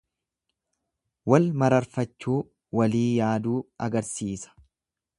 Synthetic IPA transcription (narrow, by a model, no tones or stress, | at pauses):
wɐlmɐɾɐɾfɐt͡ʃːuː | wɐliːjaːd̪uːɐɡɐɾsiːsɐ̥